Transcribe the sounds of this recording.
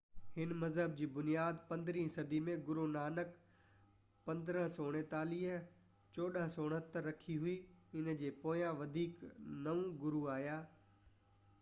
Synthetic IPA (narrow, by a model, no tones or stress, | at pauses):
hɪnmɐzɦəb̚d͡ʑiːbʊnijaːd̪pɐ̃nd̪ɾĩːɦsɐd̪ʱimẽɡʊɾunaːnək | pɐ̃nd̪əɾəɦsoːɽ̃ẽt̪aːliːɦ | t͡ɕoːɗəɦsoːɽ̃ət̪ːɾɐkʰiɦʊiːɪnd͡ʑeːpoːjãʋɐd̪ʱiːknɐʋũɡʊɾuaːjaː